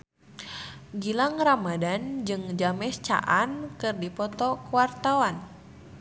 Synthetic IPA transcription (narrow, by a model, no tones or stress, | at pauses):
ɡilaŋramadand͡ʒɨŋd͡ʒamɛst͡ʃa̰ʔankɨrdipɔt̪ɔkuwart̪awan